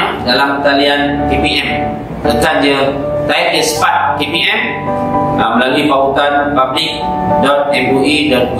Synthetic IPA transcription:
dalamt̪aliankepiɛm | təkandə | t̪ait̚diəsə̥pat̪̚kepiʔɛm | aməlalipawut̪anpablɪk̚ | dɔt̪̚ɛmbuidɔt̪̚

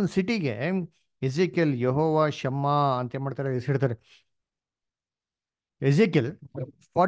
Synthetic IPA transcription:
nsiʈiɡe | esikɐljeɦɔːʋaːʃɐmːaɐnt̪ɐeːmaːɖt̪aːɾesiɽt̪aːɾe | ezikel | pʰaː

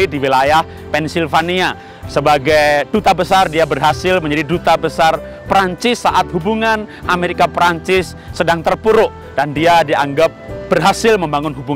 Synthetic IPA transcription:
diwilajah | pɛnsilfania | səbaɡajd̥ut̪abəsardiabərɦasɪlməɲd͡ʒadidut̪abəsar | pɾaɲt͡ʃɪsːaʔat̪̚hubuŋanʔameɾikapɾaɲt͡ʃɪsːədaŋt̪ərpuɾʊʔ | d̥andiadiaŋɡap̚b̥ərɦasɪlməmbaŋʊnɦubu

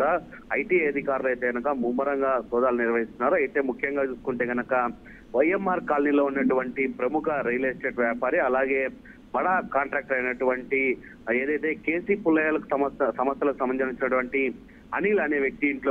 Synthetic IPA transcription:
ɽaːɐjʈiːeːɐd̪ʱikaːɾlɐjt̪e̞ːɡɐnɐkɐmuːmɐɾɐŋɡaːsɔːd̪aːluniɾʋɐɦist̪unːaːɾuɐjt̪eːmukʰjɐŋɡaːt͡ʃuːsu̥kuɳʈe̞ːɡɐnɐkɐ | ʋɐjemːaːɾkaːlnilo̞ːunːɐʈuʋɐɳʈipɾɐmukʰɐɾɐjleːsʈe̞ːʈʋjaːpaːɾiɐlaːɡe̞ː | mɐɽaːkaːɳʈɾaːk̚ʈɐjnɐʈuʋɐɳʈi | eːd̪ɐjt̪e̞ːke̞ːsiːpulːɐjaːlɐku̥sɐmɐsɐmɐst̪ːɐlɐkusɐmɐɲd͡ʒɐmit͡ʃːinɐʈuʋɐɳʈi | ɐnilɐneːʋjɐk̚t̪iiɳʈloː

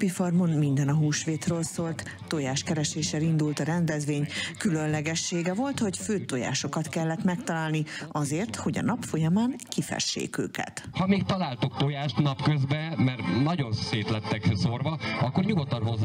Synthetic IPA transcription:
pifɒrmonmind̪ɛnɒɦuːʃʋeːt̪røːlsoːlt̪ːojaːʃkɛɾɛʃeːʃɛlind̪ult̪ɒɾɛnd̪ɛzʋeːɲkylønlɛɡɛʃːeːɡɛvo̞lt̪ho̞cføːt̪oja̰ːʃo̞kɒt̪kɛlːɛt̪mɛkt̪ɒlaːlniɒzeːrt̪ho̞ɟɒ̰nɒpfo̞jɒmaːŋkifɛ̰ʃːḛːkø̰ːkɛ̰t̪hɒmeːkt̪ɒlaːlt̪okt̪ojaːʃt̪nɒpkøzbɛmɛrnɒɟo̞nseːt̪lɛt̪ːɛksorvɒɒkːo̞rɲuɡot̪ːɒnɦoz

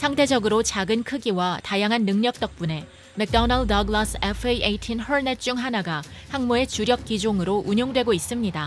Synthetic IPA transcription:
sʰaŋtʰe̞d͡ʑʌɡɯɾot͡ɕaɡɯnkʰɯɡiwatajaŋɦanːɯŋɲʌk̚t͈ʌk̚p͈une̞ | me̞k̚t͈ʌnʌɭdʌɡlasʰepʰeieitʰinhʌɭnet͡ɕ͈uŋɦanaɡahaŋmoe̞t͡ɕuɾjʌk̚k͈id͡ʑoŋɯɾoʔuɲoŋdwe̞ɡois͈ɯmɲida

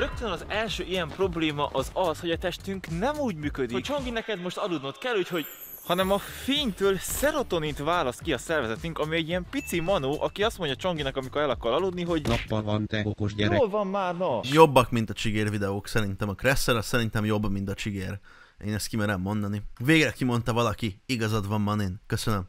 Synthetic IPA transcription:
ɾøk̚t̪ønɒzɛlʃøːijɛmpro̞bleːmɒʔɒzɒsho̞ɟɒt̪ɛʃt̪yŋknɛmuːɟmyːkød̪iokt͡ʃo̞ŋɡinɛkɛd̪mo̞ʃt̪ɒlud̪no̞t̪kɛlːuːcho̞ɟ | hɒnɛmɒfeːɲt̪øːlsɛɾo̞t̪o̞nit̪vaːlɒst̪kiɒsɛrvɛzɛt̪yŋkɒmiɛɟːiɛmpit̪simɒnoːʔɒkiɒst̪mo̞ɲɟɒt͡ʃoŋɡinɒkɒmiko̞ɾɛlɒkɒɾɒlud̪niɦo̞ɟnɒpːɒvɒnt̪ɛokoʒɟɛɛolvɒnmaːrnɒjo̞bːɒkmint̪ɒt͡ʃiɡeːrvid̪ɛoːksɛɾint̪ɛmɒkrɛsːɛɾɒssɛɾint̪ɛmjo̞bːmint̪ɒt͡ʃiɡeːr | ḛːnɛst̪̚kimɛɾɛmːo̞nd̪ɒniveːɡrɛkimo̞n̪t̪ɒvɒlɒkiiɡɒzɒd̪vɒmːɒneːnkøsønøm

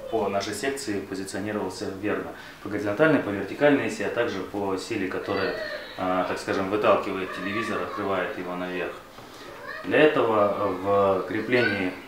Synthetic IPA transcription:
pənaʂɨjsʲe̞kt̪sɨɪpəzʲɪt̪sɨɐnʲiɾəvəlˠsʲəvʲernə | pəɡəɾʲɪzɐnt̪alʲnəjpəvʲɪrtʲɪkalʲnɨjɪsʲiɐt̪aɡʐɨpəsʲilʲɪkɐt̪o̞ɾɨjə | t̪akskaʐɨmvɨt̪alˠkʲɪvəjɪt̪̚ʲtʲɪlʲɪvʲizəɾɐt̪̚kɾɨvajʊt̪jɪvo̞nɐvʲe̞rx | d̪lʲɐɛt̪əvəvkɾʲɪplʲenʲɪː

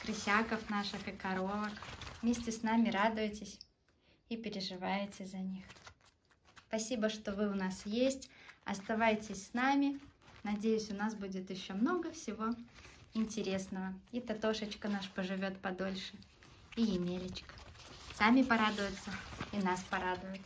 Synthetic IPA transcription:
kɾɨsʲakəfnaʂɨxɨkɐɾo̞vəkvmʲesʲtʲɪsnamʲɪɾad̪ʊjɪtʲɪsʲ | ipʲɪɾʲɪʐɨvajɪtʲɪzɐnʲix | spɐsʲibəʂt̪o̞vɨʊnasjesʲtʲɐ̰st̪ɐvajɪtʲɪsʲsnamʲɪnɐdʲejʉsʲʊnasbudʲɪt̪jɪɕːo̞mno̞ɡəfsʲɪvo̞ɪnʲtʲɪɾʲe̞snəvəit̪ɐt̪o̞ʂət͡ɕkənaʂpəʐɨvʲo̞t̪pɐd̪o̞lʲʂɨ | ijɪmʲelʲɪt͡ɕkə̥samʲɪpɐɾad̪ʊjʊt̪səinaspɐɾad̪ʊjʊt̪

